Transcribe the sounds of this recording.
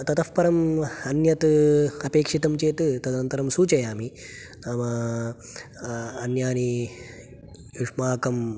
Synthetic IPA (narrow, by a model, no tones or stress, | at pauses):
t̪ɐt̪ɐfpɐɾɐmɐnjɐt̪ɐpeːkʂit̪ɐmt͡ʃeːt̪ɨt̪ɐd̪nɐnt̪ɐɾɐmsuːt͡ʃɐjaːmi | naːmɐ | ɐnjaːni | juʂmaːkɐm